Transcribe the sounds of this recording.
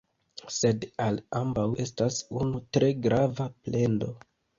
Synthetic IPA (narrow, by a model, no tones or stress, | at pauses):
se̞dalambawe̞stasunutɾe̞ɡɾavaplʔe̞ndo̞̰